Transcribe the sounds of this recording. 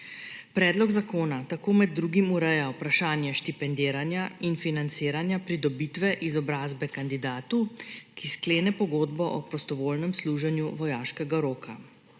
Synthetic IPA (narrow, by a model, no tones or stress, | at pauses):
pɾɛːd̪lɔɡzakoːnat̪akoːmɛd̪̚ːɾuːɡimuɾɛjawpɾaʃaːnjɛʃt̪ipɛnd̪eːɾanjainfinant̪seːɾanjapɾid̪ɔbiːt̪ʋɛʔizɔbɾaːzbɛkand̪id̪aːt̪ukiskleːnɛpɔɡoːd̪bɔʔɔpɾɔst̪ɔʋoːlnɛmsluːʒɛnjuʋɔjaːʃkɛɡaɾoːkʰa